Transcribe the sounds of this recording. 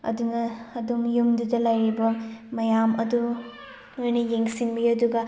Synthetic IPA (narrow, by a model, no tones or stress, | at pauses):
ɐ̰dunɐːdumjumdudɐlajɾibɐmɐjamɐdu | lojnɐjeŋsinmiɐduɡɐ